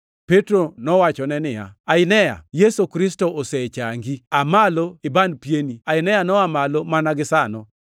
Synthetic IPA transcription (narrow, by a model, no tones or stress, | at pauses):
petɾonɔwat͡ʃɔnɛnɪja̰aɪnɛja̰jesokɾɪstɔosɛt͡ʃaŋɡiamaloɪbanpjeniaɪnɛjanɔamalomanaɡɪsanɔ